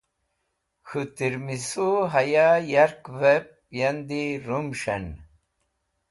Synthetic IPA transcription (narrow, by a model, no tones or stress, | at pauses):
xut̪iɾmisuɦajajaɾkvep̚ | jand̪iɾumɕɐ̰n